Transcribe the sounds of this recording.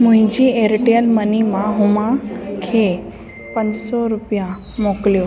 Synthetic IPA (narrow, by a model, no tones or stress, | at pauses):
mʊ̃ɦɪ̃ɲd͡ʑieɾʈijəlmənimãɦʊmãkʰeː | pɐ̃ɲd͡ʑsɔɾʊpijã | moːklijoː